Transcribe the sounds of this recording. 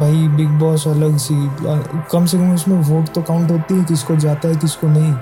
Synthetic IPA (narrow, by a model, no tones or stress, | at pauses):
bʱaːibɪɡ̚bɔːsɐləɡsikɐmsekəmʊsmẽʋoːʈt̪oɐkaːʊ̃ɳʈɦoːt̪iɦɛ̃k̪ɪskod͡ʒaːt̪aɦɛt̪ɪskonɐɦĩ